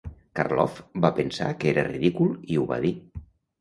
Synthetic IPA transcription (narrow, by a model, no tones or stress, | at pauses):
karlɔ̰fbapənsa̰kəeɾəriðikulˠiuβa̰ði